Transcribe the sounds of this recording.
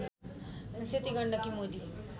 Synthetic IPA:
nset̪iɡəɳɖʌkimod̪i

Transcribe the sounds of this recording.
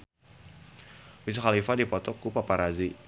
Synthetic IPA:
wit͡ʃxalifadipɔt̪ɔkupapaɾazi

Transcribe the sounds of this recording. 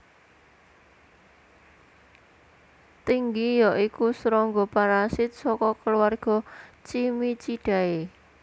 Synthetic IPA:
t̪iŋɡijɔʔikusɾɔŋɡɔpaɾasɪt̪̚sɔkɔkəluwarɡ̥ɔ̤t͡ʃimit͡ʃiɖ̥a̤e

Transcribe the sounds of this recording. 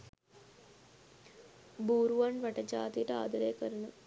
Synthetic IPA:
buːɾuʋɐnʋɐʈɐd͡ʒaːt̪iʈa̰ːd̪ɐɾeːkɐɾɐɳɐ

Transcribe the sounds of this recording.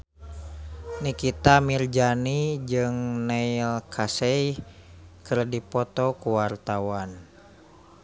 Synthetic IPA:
nikit̪amird͡ʒanid͡ʒɨŋnɛilkʰasɛj | kɨrdipɔt̪ɔkuwart̪awan

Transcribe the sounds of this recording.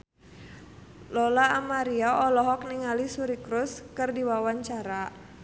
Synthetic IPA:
lɔlaːmaɾiaɔlɔɦɔk̚niŋalisuɾikɾuskɨrdiwawaɲt͡ʃaɾa

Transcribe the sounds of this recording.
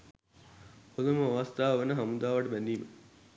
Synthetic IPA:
pod̪uməaʋast̪ʰaːʋəʋənəɦamud̪aːʋəʈəbænd̪iːmə

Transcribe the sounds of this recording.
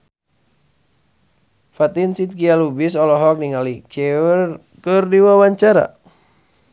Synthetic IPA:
fat̪insit̪̚kialubisɔlɔɦɔk̚niŋalit͡ʃɛr | kɨrdiwawaɲt͡ʃaɾa̰

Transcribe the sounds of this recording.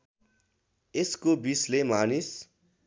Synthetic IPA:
eskobislemanis

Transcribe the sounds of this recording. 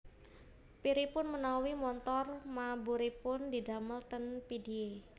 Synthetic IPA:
piɾipʊnmənawimɔnt̪ɔrmabuɾipʊndidaməlt̪ənpidie

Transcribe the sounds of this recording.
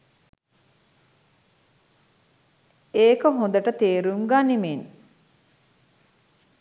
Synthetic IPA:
eːkəɦõnd̪ɐʈət̪eːɾuŋɡaːnimeːn

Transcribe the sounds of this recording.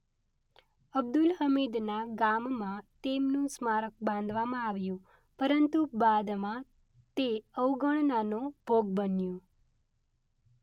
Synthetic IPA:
əb̚d̪ulɦəmid̪naɡamːãt̪emnũsmaɾək̚bãnd̪ʱʋamãaʋjũ | pəɾənt̪ubad̪mã | t̪eəwɡəɳnanõb̥ʱoɡbənjũ

